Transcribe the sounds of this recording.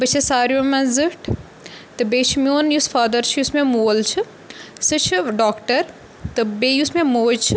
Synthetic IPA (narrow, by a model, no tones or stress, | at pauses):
bɐt͡ʃʰisaːɾjomɐ̃zɨʈʰ | t̪ɨbeːt͡ʃʰimioːnjusfaːd̪ɐɾt͡ʃʰijusmemoːlt͡ʃʰi | sɨt͡ʃʰiɖoːkʈɐɾ | t̪ɨbejusmẽmoːd͡ʒt͡ʃʰi